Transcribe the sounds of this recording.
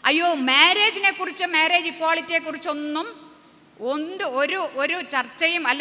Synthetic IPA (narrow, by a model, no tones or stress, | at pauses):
ɐjːoːmeːɾe̞ːd͡ʑine̞kːurit͡ɕːɨmeːɾe̞ːd͡ʑikwaːɭitːiekːurit͡ɕːo̞nːum | ondɨoɾuʔoɾut͡ɕɐrt͡ɕːɐjumɐlː